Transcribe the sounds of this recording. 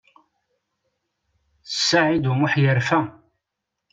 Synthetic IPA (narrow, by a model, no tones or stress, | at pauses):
θəsːaʕid̪umʊħjəɾfæ